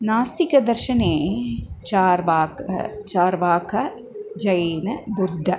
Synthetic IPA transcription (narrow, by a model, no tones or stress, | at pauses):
naːst̪ikɐd̪ɐɾʃɐneːt͡ʃaːɾʋaːkɐ̰t͡ʃaːɾʋaːkʰɐ | d͡ʒɐjeːnɐbud̪ʱːɐ